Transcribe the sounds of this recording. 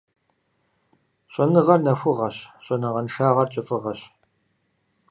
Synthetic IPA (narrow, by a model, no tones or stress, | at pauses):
ɕʷʼɐnɨʁɐrnɐxʷʊʁɐɕɕʼɔnɨʁɐnʂaːʁɐrt͡ʃʼɪfʼɨʁɐɕ